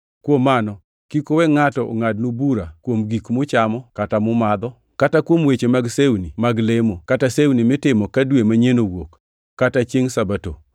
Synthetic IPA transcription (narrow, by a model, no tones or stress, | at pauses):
kwomːanɔ | kikowɛŋatɔ̰ŋadnubuɾakwomɡikmʊt͡ʃamɔkatamʊmad̪ɔ | katakwomwet͡ʃemaɡseunimaɡlemokatasewunimɪtɪmɔkadwemaɲenowokː | atat͡ʃjeŋsabato̰